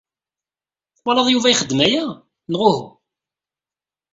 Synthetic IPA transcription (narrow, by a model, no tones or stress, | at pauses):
wɑlˤɑðˤjuvæjχəd̪ːmæjæ | nəʁʊh